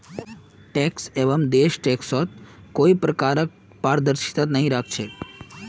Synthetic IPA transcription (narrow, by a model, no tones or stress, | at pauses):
ʈɛkseʋəmd̪eʃʈeksɔt̪̚koipɾəkaɾək̚ | paɾd̪əɾʃi̥t̪at̪nəɦĩɾak̚ʰt͡ʃʰe